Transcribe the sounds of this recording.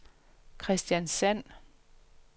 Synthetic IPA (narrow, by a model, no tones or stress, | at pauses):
kʰʁɛsd̥jænsæn̰